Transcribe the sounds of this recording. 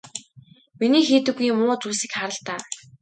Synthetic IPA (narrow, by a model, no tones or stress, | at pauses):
miniːxiːt̪ɘ̆ɣːiːmʊːt͡suːsĭkχaɾə̆ɬt̪aː